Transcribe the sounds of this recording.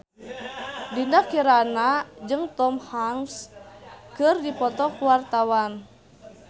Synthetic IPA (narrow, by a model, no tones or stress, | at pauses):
dindakiɾanad͡ʒɨŋt̪ɔmhaŋs | kɨrdipɔt̪ɔkuwart̪awan